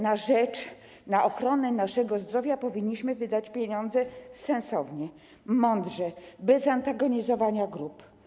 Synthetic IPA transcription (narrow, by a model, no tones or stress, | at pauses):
naʐɛt͡ʂ | naʔɔxɾɔnɛnaʂɛɡɔzd̪ɾɔvʲjapɔvʲiɲːiɕmɘvɘd̪at͡ɕpʲjeɲɔnd̪zɛsɛ̃nsɔvɲɛ | mɔnd̪ʐɛbɛzant̪aɡɔɲizɔvaɲaɡɾup